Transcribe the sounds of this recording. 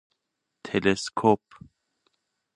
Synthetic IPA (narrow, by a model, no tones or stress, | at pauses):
t̪ʰeleskʰop